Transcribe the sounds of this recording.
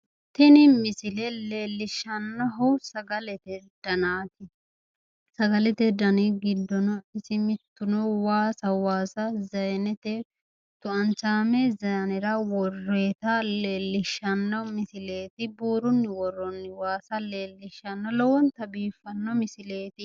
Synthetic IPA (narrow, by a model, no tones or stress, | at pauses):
t̪ɪnɪmɪsɪlɛle̞ːlːɪʃːɐnːɐɦɔwsɐɡɐlɛt̪ɛd̪̥ɐnaːt̪ɪ | sɐɡɐlɛt̪ɛd̪ɐnɪɡɪd̪ːɔnɐɪsɪmɪt̪ːʊnɔwaːsɐwaːsɐzɐjnɛt̪ɛ | t̪ʊɐnt͡ʃaːmezɐjɐnɛɾɐwɔrːeːt̪ɐle̞ːlːɪʃːɐnːɐwmɪsɪle̞ːt̪ɪbuːɾʊnːɪwɔrːɔnːɪwaːsɐleːlːɪʃːɐnːɐlɔwɔnt̪ɐbiːfːɐnːɐmɪsɪleːt̪ɪ